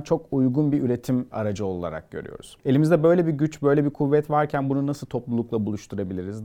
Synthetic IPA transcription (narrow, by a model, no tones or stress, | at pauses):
t͡ʃʰo̞kujɡunbiʔyɾe̞t̪ʰima̰ɾad͡ʒɯo̞lˠa̰ɾa̰k̚ɟ̥ø̞̰ɾy̰jo̞̰ɾuz̥e̞lʲimizd̪ɛbø̞jlʲɛbiɟyt͡ʃbø̞jlʲɛbikʰuvːɛt̪vaɾcʰænbununasɯlˠt̪ʰo̞plˠulˠuklˠabulˠuʃt̪ʰuɾabilʲiɾiz